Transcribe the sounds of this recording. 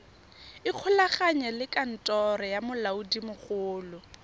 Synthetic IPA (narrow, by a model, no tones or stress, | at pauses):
ɪq͡χʰʊlaχaɲɛlɪkʼan̩tʼɔɾɔjamʊlaudimʊχʊːlʊ